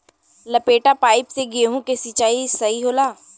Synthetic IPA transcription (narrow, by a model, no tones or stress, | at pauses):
lɐpeːʈapaːɪpseɡieɦũkesit͡ʃaːisɐɦiɦoːlaː